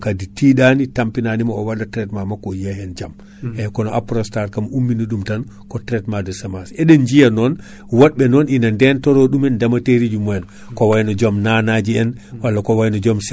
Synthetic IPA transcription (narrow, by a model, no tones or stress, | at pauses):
kaditiɗanitampinanimaɔwadatɾɛtmamakɔjɛhɛnd͡ʒam | ɛkɔnɔʔapɾɔstaɾkamumːinuɗumtan | kɔtɾɛtmadɔsɛmasɛɗɛnd͡ʒijanɔn | wɔɗɓɛnɔninandɛntɔɾɔɗumɛndamateɾid͡ʒumɔɛn | kɔwajnɔd͡ʒɔmnanad͡ʒiɛn | walːakɔwajnɔd͡ʒɔms